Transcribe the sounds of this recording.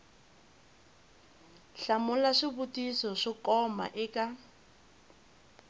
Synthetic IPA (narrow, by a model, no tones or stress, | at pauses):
ɬamʊlaʂiβutʼisɔʂikɔma̰ʔɪkʼa